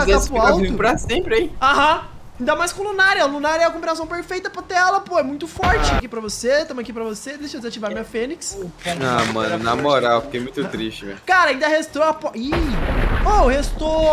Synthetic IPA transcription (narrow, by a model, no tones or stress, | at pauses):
k̪paawtviɪpɾɐsẽmpɾɪaiaɦɐ̃ | ĩnd̪ɐmajskõlunaɾɛʊlunaɾɛɐkõbinasɐ̃w̃peɾfejt̪ɐpot̪eɛlɐpoɛmũj̃t̪ʊfɔɾt͡ʃɪ̃kipɾɐvoset̪ɐ̃m̃ɐakipɾɐvosed̪eʃɐd͡ʒɪzat͡ʃivaɾmĩɲɐfẽniksaamɐ̰̃nʊnamoɾawfikejmũj̃t̪ʊt̪ɾist͡ʃɪmḛ̃nkaɾɐaĩd̪ɐhest̪ɾoɐpɔi | ohest̪o